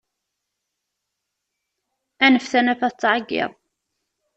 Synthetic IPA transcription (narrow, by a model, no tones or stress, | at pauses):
ænəfθænæfæt͡s̪ːʕaɡɪ̰ðˤ